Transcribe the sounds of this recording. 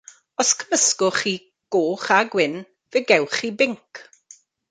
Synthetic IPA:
ɔskʰəməskʊχiː | ɡ̥oːχaɡwɪn | veɡɛwχiːbɪŋkʰ

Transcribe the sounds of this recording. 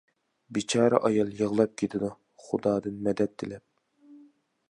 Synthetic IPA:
bit͡ʃʰɑːɾɛ̰ʔɑjɑlˠjəʁlˠɑp̚kʲʰet̪ʰɪd̪u | χʊd̪ɑːd̪ɨnmɛd̪ɛt̪ʰːɪlɛp̚

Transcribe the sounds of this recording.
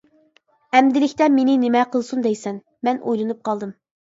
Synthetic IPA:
ɛmd̪ɪlɪkʲt̪ɛmenɪnɪmɛqʰəlˠsund̪ɛjsɛn | mɛnʔo̰jlˠɨnup̚qʰɑlˠd̪ɨm

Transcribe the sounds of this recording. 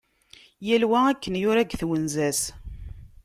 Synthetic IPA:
jælwæækːənjʊɾæɡθwənzæs

